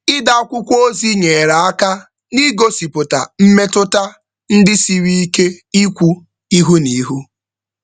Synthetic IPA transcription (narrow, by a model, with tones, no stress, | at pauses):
ɪ˦da˦kʷʊ˦kʷo˦zi˦ɲe˨ɾa˨a˦ka˦ | ni˦ɡo˦si˨pʊ˨ta̰˨m̩˦me˦tʊ˦ta˦ | n̩˦dɪ˦si˨ɾi˦i˦ke˦i˦kʷu˦ | i˦ɦu˦ni˨˦ɦu˦